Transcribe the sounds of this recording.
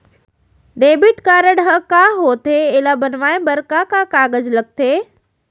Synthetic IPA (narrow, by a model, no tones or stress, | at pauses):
ɖeːbɪʈkaːɾəɽɦəkaɦoːt̪ʰeeːlabənʋaːẽbɐɾkakakaːɡəd͡ʑlək̚t̪ʰeː